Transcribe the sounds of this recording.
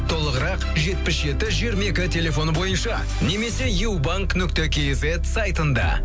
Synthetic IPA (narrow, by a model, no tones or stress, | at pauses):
t̪ʰo̞lˠəʁəɾɑqʒe̞t̪̚pɪsʒe̞t̪ɪʒieɾme̞kʲɪt̪ʲʰe̞lʲe̞fo̞nbo̞jənʃɑ̰ | ne̞me̞se̞jewbaŋknʏkt̪ekʲejzet̪sɑjt̪ənd̪ɑ̰